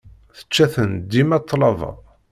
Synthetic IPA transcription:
θə̥t͡ʃːæθənd̪imæt̪ˤːlɑvˤɑ̰

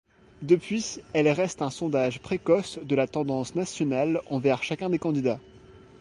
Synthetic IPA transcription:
d̪əpɥiɛlʁɛst̪ɛ̃sɔ̃d̪aʒpχekɔsd̪əlat̪ɑ̃d̪ɑ̃snasjɔnalɑ̃vɛʁʃakʲɛ̃d̪ekɑ̃d̪id̪a

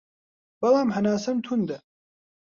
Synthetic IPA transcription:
b̥ɐlaːmhɐnaːsɐmt̪ʰund̪ɐ

